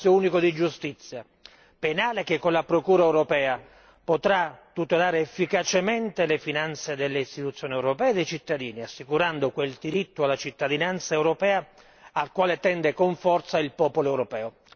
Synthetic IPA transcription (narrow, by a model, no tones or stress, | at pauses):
jouːnikod̪id͡ʒust̪it̪sːja | penaːlek̟ekːonlapɾokuːɾaɛwɾopɛːa | pot̪ɾat̪ːut̪elaːɾeːfːikat͡ʃement̪elefinant̪sed̪elːeist̪it̪ut̪sːjoːniɛwɾopɛːd̪ejt͡ʃit̪ːad̪iːniasːikuɾand̪okweld̪iɾit̪ːoalːat͡ʃit̪ːad̪inant̪saewɾopɛːaː | lkwaːlet̪ɛnd̪ekoɱfɔrt̪sailpɔːpoloɛwɾopɛːo